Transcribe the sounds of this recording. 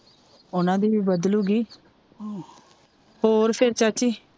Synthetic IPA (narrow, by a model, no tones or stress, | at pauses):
ʊnãːd̪iːbəd̪luːɡiː | hoːɾpʰɪɾt͡ʃat͡ʃiː